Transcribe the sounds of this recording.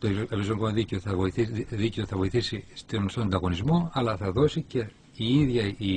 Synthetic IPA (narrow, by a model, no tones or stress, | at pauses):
t̪oevizokomɐðiceoθɐvoiθiðiceoθɐvoiθisist̪onst̪ond̪ɐɣo̞nizmo̞ɐlɐθɐðo̞sice̞ | iiðʝɐi